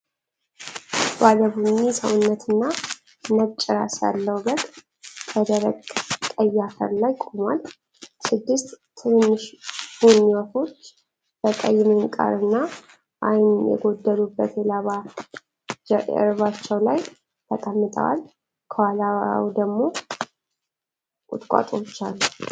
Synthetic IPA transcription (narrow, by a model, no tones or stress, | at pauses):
baləbunːisəwʊnːət̪ʰɨnːa | mət͡ʃʼːɪɾa̰sja̰lːəwbəkʼ | kʰəd̪əɾəɡt̪ʼəjːakʰə̰ɾlajkʼomwa̰l | sɨd̪ːɨst̪t̪ʰɨnnːɨʃb̥unːiwat̪ʰo̞t͡ʃː | b̥əkʼəjːɪmeŋkʼa̰ɾɨnːa | ʔajnjɛ̰ɡo̞d̪ːəlubːət̪jɛlaβa | d͡ʒɨ̰ɾβat͡ʃːɛwlaj | t̪ʰəkʼəmːɨt̪ʰʼə̰wa̰l | kʰəwala̰wd̪əɡmo̞ | ʔʼʊt̪ʼkʼa̰t̪ʼot͡ʃːalː